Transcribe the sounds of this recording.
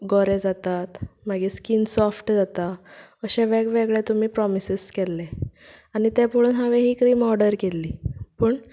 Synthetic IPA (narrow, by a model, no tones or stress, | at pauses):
ɡɔɾed͡zat̪at̪maɡiskinsɔfʈd͡zat̪aəɕɛʋɛɡʋeɡɭet̪um̤iːpɾɔmisiskɛlːe | anit̪ɛ̃poɽuːnɦaʋeɦiːkɾiːmɔɾɖəɾkelːiːpəːɳ